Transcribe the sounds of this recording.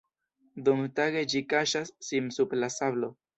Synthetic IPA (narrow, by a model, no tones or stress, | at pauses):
d̪uŋtaɡe̞d͡ʒikaʃasːinsublasaβlo